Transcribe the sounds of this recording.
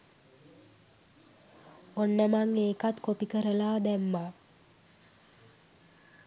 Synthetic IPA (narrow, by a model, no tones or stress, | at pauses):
onːəmaŋeːkat̪kopikəɾəlaːd̪æmːa